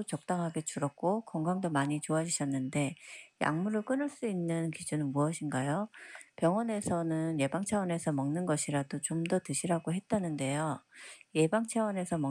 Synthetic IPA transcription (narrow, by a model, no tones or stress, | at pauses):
t͡ɕʌk̚t͈aŋɦaɡe̞t͡ɕuɾʌk̚k͈okʌŋɡaŋdomaɲit͡ɕoad͡ʑɥiɕʰʌnːɯnde̞ja̰ŋmuɾɯɭk͈ɯnɯɭs͈uinːɯnkid͡ʑunɯnmuʌɕʰinɡajopjʌŋwʌne̞sʰʌnɯnje̞baŋt͡ɕʰawʌne̞sʰʌmʌŋnɯnɡʌɕʰiɾadot͡ɕomdʌtɯɕʰiɾaɡoɦe̞t̚t͈anɯnde̞joje̞baŋt͡ɕʰawʌne̞sʰʌmʌ